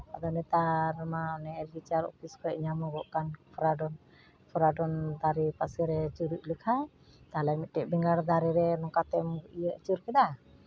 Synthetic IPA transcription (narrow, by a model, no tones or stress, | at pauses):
ad̪ɔnɛt̪aɾmaɔnɛːlɡit͡ʃaɾɔ̰pʰiskʰɔɛʔɲamɔɡɔʔkanpʰɔɾaɖɔn | pʰɔɾaɖɔnd̪aɾipasɛɾɛt͡ʃuɾiʔ̚ˀləkʰaj | t̪alamit̪̚ʈɛʔbɛŋɡaɾd̪aɾiɾɛnɔkat̪ɛmɡɔʔijəʔt͡ʃuɾkɛd̪a